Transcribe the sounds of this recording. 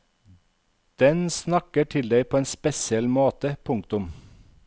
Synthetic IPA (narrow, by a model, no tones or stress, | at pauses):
d̪̥ɛnsnɑkəʈʰɪld̪æɪpʰoːeːnspɛsɪɛlmoːt̪əpʰʊŋk̚t̪ʊm